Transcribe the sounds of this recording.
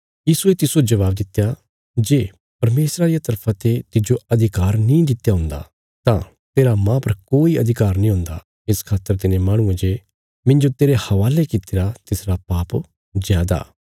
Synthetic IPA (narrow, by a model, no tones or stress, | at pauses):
jiːsuet̪ɪsod͡ʒɐʋaːbd̪ɪt̪ːeja | d͡ʒeː | pɐɾmeːsɾaɾijat̪ɐɾpʰãt̪et̪ɪd͡ʒoɐd̪ʱɪkaːɾnĩd̪ɪt̪ːjaɦʊ̃nd̪a̰ | t̪ã | t̪eːɾamãpɐɾkoːiɐd̪ʱɪkaːɾnĩɦʊ̃nd̪a̰ | ɪskʰaːt̪ːəɾt̪ɪnẽmaːɽ̃ʊ̃ẽd͡ʒe | mɪ̃nd͡ʒot̪eːɾehɐʋaːlekɪt̪ɪɾat̪ɪsɾapaːp | zjaːd̪a̰ː